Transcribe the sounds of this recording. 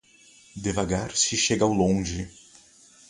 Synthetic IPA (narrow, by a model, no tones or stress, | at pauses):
d̪evaɡaɾsɪʃeɡawlõʒɪ